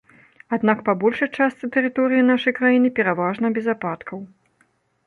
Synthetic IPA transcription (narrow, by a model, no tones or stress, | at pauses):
ad̪nakpabɔlʲʂɐjt͡ʂast̪sɨt̪ɛɾɨt̪ɔɾɨjinaʂɐjkɾajinɨpʲɛɾavaʐnɐbʲɛzapat̪kʰɐw